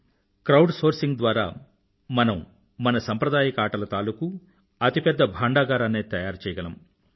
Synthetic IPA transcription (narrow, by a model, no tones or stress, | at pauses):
kɾɐwɖsoːɾsiŋɡd̪ʋaːɾa̰ː | mɐnɐmː | ɐnɐsɐmpɾɐd̪aːjɐkɐaːʈɐlɐt̪aːluku | ɐt̪ipɛd̪ːɐbʱaːɳɖaːɡaːɾɐneːt̪ɐjaːɾt͡ʃɛːjɐɡɐnɐm